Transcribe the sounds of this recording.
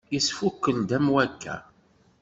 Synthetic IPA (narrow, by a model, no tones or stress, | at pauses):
jisfukːəld̪æmwækʰːæ̰